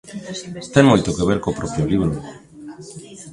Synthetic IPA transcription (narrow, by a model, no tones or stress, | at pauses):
t̪eŋmojt̪okeβeɾkopɾɔpɾjoliβɾo